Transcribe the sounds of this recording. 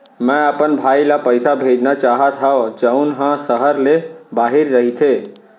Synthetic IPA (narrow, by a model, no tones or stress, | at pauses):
mɛ̃əpənbʱaːilapəjsabʱed͡ʒnat͡ʃaːɦət̪ʰɦaod͡ʒəʊnɦãsəɦəɾlebaɦiɾːəɦit̪ʰe